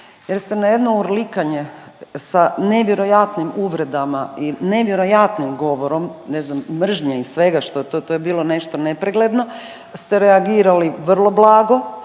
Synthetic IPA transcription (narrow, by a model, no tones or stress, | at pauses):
jeɾst̪e̞najed̪nouɾlikaɲe̞saneʋjeɾo̞jat̪nimuʋɾe̞d̪amaine̞ʋjeɾo̞jat̪nimɡo̞ʋoɾo̞mneznamːr̩ʒɲeisʋe̞ɡaʃt̪ot̪ot̪ojebiːlˠo̞ne̞ʃt̪o̞nepɾeɡled̪no̞ | st̪e̞ɾeaɡiːɾaliʋr̩lˠo̞blaːɡo̞